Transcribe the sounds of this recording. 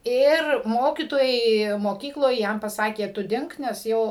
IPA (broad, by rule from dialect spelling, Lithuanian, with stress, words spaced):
ˈɪr ˈmoːkʲiːtoːjɛɪ moːˈkʲiːklˠoːj ˈjɛm pɐˈsɑːkʲeː ˈtʊ ˈdʲɪŋk nʲɛs ˈjɛʊ